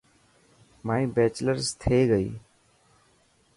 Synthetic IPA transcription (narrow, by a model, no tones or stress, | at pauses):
maːĩːbeːt͡ʃləɾst̪ʰeːɡəḭː